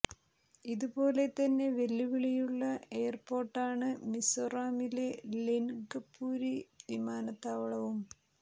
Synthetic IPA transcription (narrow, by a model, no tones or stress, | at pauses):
iðubo̞ːle̞t̪ɐnːe̞ʋe̞lːiʋiɭijuɭːɐe̞ːrpo̞ːrʈːaːɳɨmisoraːmile̞linɡɐpːuːɾidimaːnɐt̪ːaːʋɐɭɐʋum